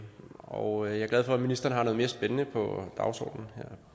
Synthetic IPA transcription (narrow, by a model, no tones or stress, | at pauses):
ɒʊjɑ̈ɐɡ̥læð̞ˠfɒ̽æminisd̥ɐːnəhɑ̈no̽ðˠme̝ɐsb̥enənəpʰɒd̥ɑ̈ʊsɒ̰ːd̥n̩heɐ̰